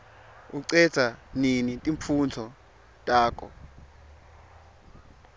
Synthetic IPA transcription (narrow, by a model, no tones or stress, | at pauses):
uǀɛ̥z̥ʱaninitʼiɱfʰund͡zʰɔ | tʼaːk̬ʰʼɔ̰